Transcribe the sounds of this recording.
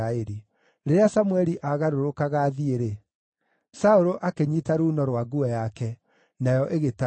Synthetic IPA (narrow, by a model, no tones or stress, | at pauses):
aeɾi | ɾeɾeasamuɛɾiʔaɣaɾoɾokaɣaðieɾe | saoɾoʔakeɲitaɾuːnɔɾwaɡuɛjakɛ | najɔʔeɣeta